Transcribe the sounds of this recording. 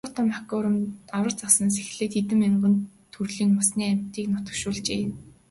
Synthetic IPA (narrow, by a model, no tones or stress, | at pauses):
ʊːt̪ə̆makʲʊɾə̆mawə̆rt͡sasə̆ns̬ex̆ɮɘːk̪et̪ɘ̆meɴɢə̆nt̪ʰːurɮiːŋmasniːam̥ʲt̪iːknʊt̪ə̆kʃʊːɮt͡ɕeːn